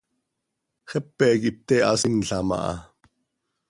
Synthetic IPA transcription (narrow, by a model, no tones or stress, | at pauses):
χɛpːɛkip̚t̪ɛɑ̰sinɬɑmɑ̰ʔɑ̰